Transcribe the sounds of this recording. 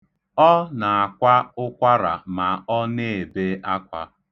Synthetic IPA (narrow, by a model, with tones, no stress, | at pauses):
ɔ˦na˨a˨kʷa˦ʊ˦kʷa˦ɾa̰˨ma˨ɔ˦ne˦˨be˦a˦kʷa̰˦